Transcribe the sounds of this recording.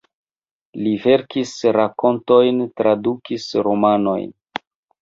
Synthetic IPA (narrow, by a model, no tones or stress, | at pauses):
live̞ɾkisɾako̞nto̞jntɾadukisɾomano̞̰jn